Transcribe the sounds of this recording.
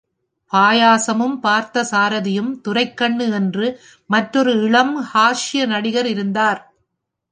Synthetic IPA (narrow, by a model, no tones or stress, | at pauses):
paːjaːsɐmɯmpaːɾt̪ɐsaːɾɐðɪjɯmt̪ʊrɐɪkːɐɳːɯɛndrɯ | mɐʈrɔɾɯɪɭɐmhaːʂɪjɐnɐɽɪɣɐɾɪɾɯnd̪aːɾ